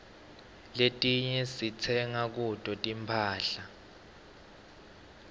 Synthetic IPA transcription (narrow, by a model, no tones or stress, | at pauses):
letʼiɲɛsit͡sʰɛŋak̬utʼɔtʼimpʰaːɬa